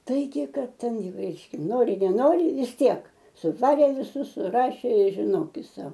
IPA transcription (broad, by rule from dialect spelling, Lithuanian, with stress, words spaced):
ˈtɐɪɡʲɪ ˈkɐt ˈtʲɛn ˈjɛʊ ˈrʲɛɪʃʲkʲɛ ˈnoːrʲɪ nʲɛˈnoːrʲɪ ʋʲɪs ˈtʲiɛk sʊˈʋɑːrʲeː ʋʲɪˈsʊs sʊˈrɑːʃʲeː ɪ ʒʲɪˈnoːkʲɪs ˈsɐʊ